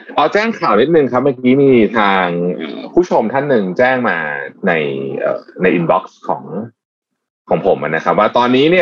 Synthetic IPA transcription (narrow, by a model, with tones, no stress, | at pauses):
ʔɔː˧t͡ɕɛː˥˩ŋkʰaː˨˩wni˦˥t̪̚nɯ˨˧ŋkʰa˦˥p̚maː˧kiː˦˥miː˧t̪ʰaː˧ŋʔa̰ː˨˩pʰuː˥˩t͡ɕʰo˧mt̪ʰa˥˩nːɯ˨˩ŋt͡ɕɛː˥˩ŋmaː˧na˧jʔɤ̰ː˨˩na˧jʔi˧nbɔ˦˥k̚skʰɔ̰ː˩˦ŋ | kʰɔː˩˦ŋpʰo˩˦mʔa̰˨˩na˦˥kʰa˦˥p̚waː˥˩t̪ɔː˧nːiː˦˥ni˥˩ɐ